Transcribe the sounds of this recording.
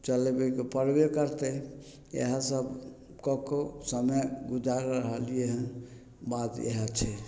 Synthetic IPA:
t͡ʃəlebekepəɾbekəɾt̪ə | ḛɦãsəb | kɔkosəməjɡud͡ʒaɾɾəɦəljeɦən | bat̪ḛɦat͡ʃʰɛ

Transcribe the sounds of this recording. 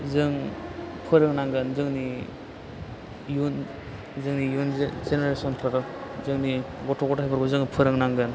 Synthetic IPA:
zɯŋpʰɯɾɯŋnaŋɡɯnzɯŋni | jun | zɯŋnijunzeneɾesɔnpʰaɾɔzɯŋniɡɔtʰɔɡɔtajbɯɾɡɔzɯŋpʰɯɾɯŋnaŋɡɯn

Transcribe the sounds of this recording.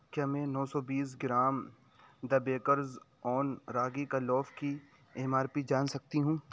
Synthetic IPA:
kjaːmɛ̃ːnɔːsɔbiːs̬ɡɪɾaːm | d̪ɐbeːkəɾz | ɔːnɾaːɡikalɔːfki | eːmaːɾpid͡ʒaːnsɐk̚t̪iɦũː

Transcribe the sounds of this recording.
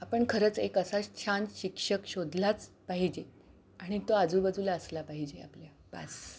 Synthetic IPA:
apəɳkʰəɾət͡sekəsat͡ɕʰanɕikʂəkɕod̪ʱlat͡s | paɦid͡ʑe | aɽ̃it̪oad͡zuːbəd͡zʱuːlaəslapaɦid͡ʑea̰plja | b̥a̰s

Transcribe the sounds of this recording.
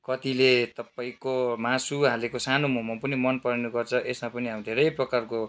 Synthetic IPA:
kʌt̪ilet̪ʌpaĩkomasuɦalekosanomoɦmapʌnimʌnpʌɾenuɡʌrt͡sʰʌʔesmapʌniɦamid̪ʱeɾʌjprʌkarko

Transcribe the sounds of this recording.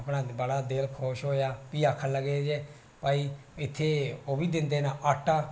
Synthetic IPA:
pnãːbəɽaːd̪ɪlkʰoːʃɦoːjaːpiːaːkʰːələɡeːd͡ʒeː | paːiːɪt̪ʰːeːoːʋiːd̪ɪnd̪eːnaːʔəʈːaː

